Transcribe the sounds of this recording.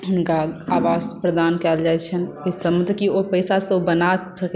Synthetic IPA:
ɦʊnkaaʋaspɾəd̪ankɛld͡ʒaɛt͡ʃʰən | osəmd̪ʱkiopəɪsasəbənasək

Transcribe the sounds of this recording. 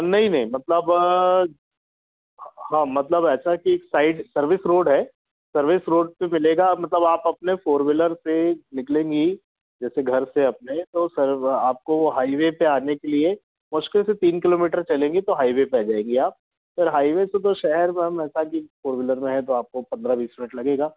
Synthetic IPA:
nɐɦĩnɐɦĩmɐt̪ləb | hãːmɐt̪ləbɛːt͡ʃʰakieːksaːɪɖsɐɾʋɪsɾoːɖɦɛː | sɐɾʋɪsɾoːɖ̚pemɪleːɡamɐt̪ləbaːpɐpnefoːɾʋɪləɾsenɪklẽːŋɡi | d͡ʒɛːseɡʱɐɾseɐp̚net̪osɐɾaːp̚kooɦaːiʋepeaːnekelie | mʊʃkɪlset̪iːnkɪloːmiːʈəɾt͡ʃɐlẽːŋɡit̪oɦaːiʋepɛd͡ʒaːẽːŋɡiaːp̚ | fɪɾɦaːiʋeset̪oʃɛɦɛɾmẽɦɐmɛːsakifoːɾʋɪləɾmẽɦɛ̃t̪̬oaːp̚kopɐ̃nd̪ɾabiːsmɪnəʈlɐɡeːɡaː

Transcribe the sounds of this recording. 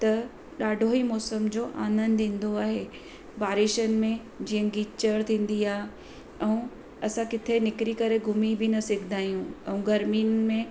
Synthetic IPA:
t̪ɐ | ɗaːɖʱoɦimɔːsəmd͡ʑoːʔaːnə̃nd̪ĩːn̆d̪oaːɦe | baːɾɪʃənɪ̆mẽ | d͡ʑiːə̃ɡiːt͡ɕəɾt̪ʰĩːn̆d̪iaːɦ | ɛ̃ũ | ɐsãkɪt̪ʰenɪkɾikɐɾeɡʱʊmibɪnɐsɪɡʰʱd̪ʱaːjũɛ̃ũɡɐɾminmẽ

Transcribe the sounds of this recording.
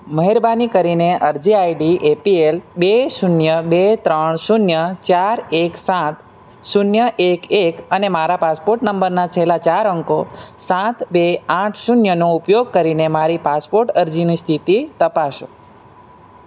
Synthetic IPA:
məɦeɾbanikəɾineʔəɾd͡ʒiaiɖiʔepielbesunjəbet̪ɾəɳsunjət͡ʃaɾeksãt̪ | sunjəʔekekənemaɾapaspoɾʈnəmbəɾnat͡ʃʰelat͡ʃaɾəŋkosãt̪beãʈʰsunjənoupjoɡ̚kəɾinemaɾipaspoɾʈəɾd͡ʒinist̪ʰit̪it̪əpaʃo

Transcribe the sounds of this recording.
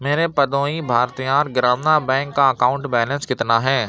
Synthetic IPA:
meːɾepɐd̪oːibʱaːɾt̪ijaːɾɡɾaːmnabɛ̃ːŋkːaɐkaːʊ̃ɳʈbɛːlə̃nskɪt̪naɦɛː

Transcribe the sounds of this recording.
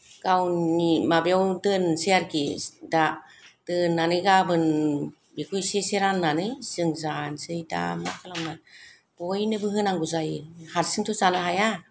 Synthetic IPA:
ɡ̥awnimabjawtɯnseaɾkida | tɯnːanɯjɡabɯn | bekʰujseseɾanːanɯjsɯŋzansɯjda̰ma̰kʰalawmna | b̥ɔjnɯbɯɦɯnaŋɡuzajɯhaɾsɯŋtʰuzanaɦaja

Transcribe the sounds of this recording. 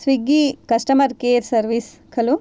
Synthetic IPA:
sʋiɡikɐsʈɐmɐɾkeːɾsɐɾʋis | kʰɐlu

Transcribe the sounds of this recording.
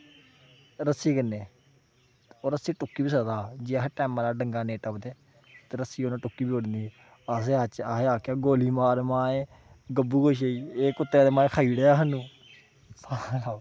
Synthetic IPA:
ɾəsiːkənːeː | oːɾəsiːʈʊkːiːbiːsəd̪aːd͡ʒeːəɦʈɛːmãːɾaːɖəŋɡaːneːʈəpd̪eː | t̪eːɾəsiːonãːʈʊkːiːbiːoɽnd̪iː | əs̬eːat͡ʃaeaːkaːɡoːliːmaːɾmãːẽː | ɡəbːuːɡoːʃ̬eiːeːkʊt̪ːeaːd̪eːmãːkʰaːiːɽeːaːɦənũː | salaː

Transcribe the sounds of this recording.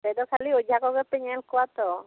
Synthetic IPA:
bɛd̪ɔkʰaliɔd͡ʒʱakɔkɔp̪ɛɲɛlkɔwat̪ɔ

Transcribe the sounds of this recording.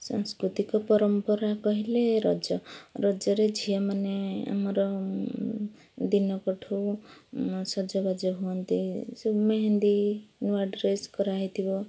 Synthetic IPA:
sa̰ŋskɾut̪ikopʌɾʌmpʌɾakʌɦileɾʌd͡zʌrʌd͡zʌɾed͡zʱijamanea̰mʌɾɔ | d̪inʌkɔʈʰo | sʌd͡zʌbad͡zɔɦuʌnt̪isomeɦend̪inuwaɖɾeskʌɾaɦit̪ʰibʌ

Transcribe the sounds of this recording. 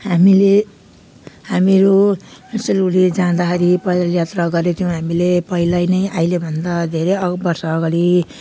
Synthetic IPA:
hamile | hamiɾomselulid͡zãd̪akʌɾipʌilajat̪raɡʌɾet̪ʰjũɦamilepʌilajnʌjʔajlebʱʌnd̪ad̪ʱeɾejʌbʌrsʌːɡʌɾi

